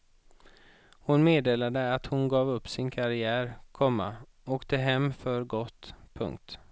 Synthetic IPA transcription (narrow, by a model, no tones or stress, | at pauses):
hʊnmeːd̪eːlad̪əat̪hʊnɡɑːvɵpːsɪnkʰaɾɪæːɾkʰɔmːa̰ | oːkt̪əɦɛmːfœɾɡɔt̪ːpʰɵ̰ŋk̚t̪